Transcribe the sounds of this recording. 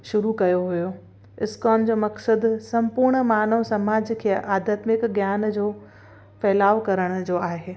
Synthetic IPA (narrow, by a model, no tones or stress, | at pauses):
ʃʊɾukɐjoɦʊjo | ɪskɔːmd͡ʑoːmɐksəd̪sɐ̃mpʊɾɽ̃maːnəʋsɐmaːd͡ʑkʰeːəʔaːd̪aːt̪mɪkɡjaːnd͡ʑoː | fɛːlaːʋkɐɾəɽ̃ʊ̆d͡ʑoːaːɦeː